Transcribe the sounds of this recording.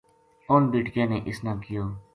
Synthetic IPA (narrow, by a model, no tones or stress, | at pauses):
oːnbiːʈkjãːneːʔɪsnãːkɪjoː